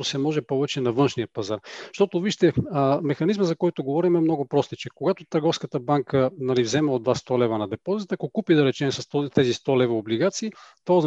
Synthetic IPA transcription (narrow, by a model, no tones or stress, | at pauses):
osɛmɔʒɛpɔvɛt͡ʃɛnɐvɤnʃnijəpɐzaɾʃt̪ɔt̪oviʃt̪ɛmɛxɐnizməzɐkɔjt̪oɡovɔɾimɛmnɔɡopɾɔst̪it͡ʃɛkoɡat̪ot̪əɾɡɔfskət̪əbaŋkənɐlivzɛmɛod̪vast̪ɔlɛvɐnɐd̪ɛpɔzit̪ːkokupid̪ɐɾɛt͡ʃɛmsɐst̪ɔt̪ɛzist̪ɔlɛvɐobliɡat̪siːt̪oz